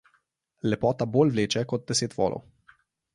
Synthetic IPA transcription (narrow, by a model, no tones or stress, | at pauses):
lɛpɔt̪abolvlet͡ʃɛkot̪̚d̪eset̪vɔ̰lʔo̰